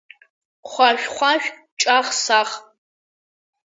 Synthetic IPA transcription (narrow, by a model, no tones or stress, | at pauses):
χʷaʃʷᶣχʷaʃʷᶣ | t͡ʃʼaχsaχ